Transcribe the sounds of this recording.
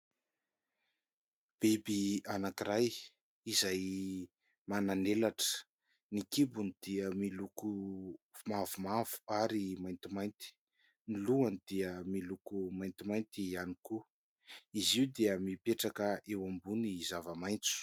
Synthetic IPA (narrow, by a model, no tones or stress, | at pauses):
b̥ebianakiɾaj | izaj | mananelaʈ͡ʂə̥ | nikibunid̪̥iəmiluku | mavumav̥u̥aɾimajnt̪imajnt̪i̥ | niluanid̪̥iəmilukumajnt̪imajnt̪ianiku | iziwd̪eəmipeʈ͡ʂakəʔewambunizavəmajnt͡su̥